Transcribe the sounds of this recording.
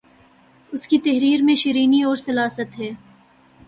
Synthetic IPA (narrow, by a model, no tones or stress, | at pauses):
ʊskit̪ɐɦɾiːɾmẽʃɪɾiːniɔːɾsɐlaːsət̪ɦɛː